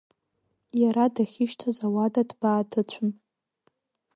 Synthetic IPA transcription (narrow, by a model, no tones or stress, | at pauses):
jaɾadaχʲiʃtʰazawadadbaːtʰɨt͡ɕʷʰʊn